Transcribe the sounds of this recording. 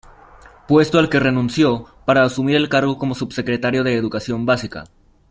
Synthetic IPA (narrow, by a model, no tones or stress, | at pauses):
pwe̞st̪oalkere̞nũnsjo̞paɾaːsumiɾe̞lkaɾɣo̞ko̞mo̞subse̞kɾe̞t̪aɾjo̞ðe̞ːðukasjo̞mbasika̰